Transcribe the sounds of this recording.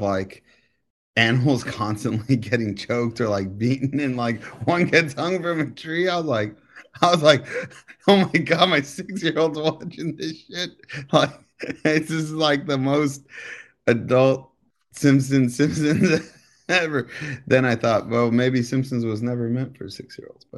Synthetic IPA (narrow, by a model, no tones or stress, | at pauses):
laɪk | ænəml̩ˠz̥kʰɑ̃nstɨ̃nʔliɡɛɾɪ̃ŋt͡ʃʰoʊk̚tə˞laɪk̚b̥iʔn̩ɨ̃nlaɪk̚wʌ̃nɡɛtshʌ̃ŋfɹʌ̃mɨtʰɹ̥iaɪwʌzlaɪk | aɪwʌzlaɪk̚oʊmaɪɡɑd̚maɪsɪksjɪɹoʊlˠdzwɑt͡ʃɪ̃ŋðɪʃɪt̚laɪk̚ | zɪszlaɪk̚ðəmoʊst̚ | ɨdʌlˠt̚ | sɪ̃mps̬ɨ̃nsɪ̃mpsɨ̃nz | ɛvə˞ðɨ̃ɾ̃aɪθɔt̚wɛlˠmeɪbisɪ̃mpsɨ̃n̩zwʌznɛvə˞mɛ̃ntfə̰˞sɪksjɪ̰ɹo̰ʊlˠdz̥b̥ʌt̚